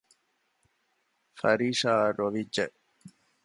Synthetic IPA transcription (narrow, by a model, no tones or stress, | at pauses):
fɐɾiːʂaːɾoʋid͡ʒːɐ̰